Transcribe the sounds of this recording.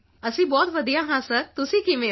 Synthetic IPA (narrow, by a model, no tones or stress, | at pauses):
əsĩːbɔːt̪ʋəd̪ijãːɦãsəɾt̪ʊsĩːkimẽː